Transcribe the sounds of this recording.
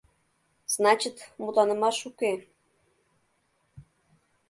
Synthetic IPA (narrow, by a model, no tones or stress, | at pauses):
z̥nɑt͡ɕit̪mut̪ɑnə̆mɑʃuke